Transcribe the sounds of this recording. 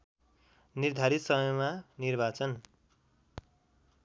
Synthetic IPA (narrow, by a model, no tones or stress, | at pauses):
nird̪ʱaɾit̪sʌmʌjmanirbat͡sʌn